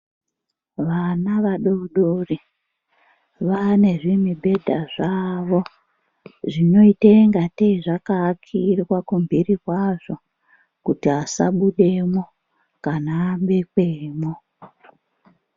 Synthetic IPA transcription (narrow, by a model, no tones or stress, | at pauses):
ʋanaʋaɗouɗori | ʋane̞ʐimibʱe̞dʱaʐaʋo̞ | ʐino̞ite̞ŋɡateiʐakakʰirwakumbʱirikwaʐ̥o̞ | kutiasa̰ɓuɗe̞mo̞ | kanaːmɓe̞kweːmo